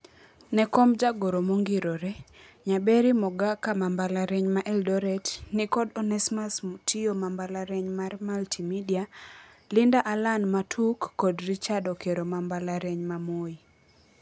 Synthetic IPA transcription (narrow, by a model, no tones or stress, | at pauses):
nɛkɔmd͡ʒaɡoɾomoŋɡiɾoɾɛ | ɲabeɾimɔɡakamambalaɾɛɲmaʔɛldɔɾɛtnɪkɔdɔnɛsmasmutʰiomambalaɾɛɲmarmaltimidia | lɪndaʔalanmatʰukːɔdrit͡ʃadɔkeɾomambalaɾɛɲmamoi